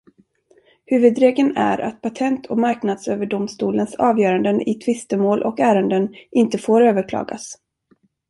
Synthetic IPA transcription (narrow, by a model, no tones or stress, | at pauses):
hʉ̟ːvɵd̪ɾeːɡənæ̰ɾʔa̰t̪̚pʰat̪ʰɛnt̪ʰɔkmaɾknad̪søːvəɖʊmst̪uːlənsɑːvjœːɾand̪ənɪt̪ʰvɪst̪əmoːlʔɔkæːɾənd̪ənʔɪnt̪əfoːɾøːvəɾkʰlɑ̰ːɡa̰s